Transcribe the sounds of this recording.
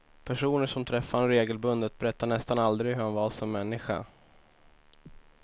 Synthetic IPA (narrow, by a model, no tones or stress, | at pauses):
pʰæʂuːnəʂɔmt̪ʰɾɛfːanɾeːɡəlbɵnd̪ət̪̚bɛɾɛt̪ːanɛst̪anald̪ɾɪhɵɾhanvasɔmːɛnːɪɧa̰